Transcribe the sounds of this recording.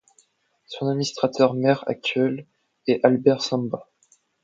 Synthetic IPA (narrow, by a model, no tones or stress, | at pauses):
sɔ̃ad̪mʲinist̪χat̪œʁmɛʁa̰k̚t̪ɥɛl | ɛʔalbɛʁsɑ̃ba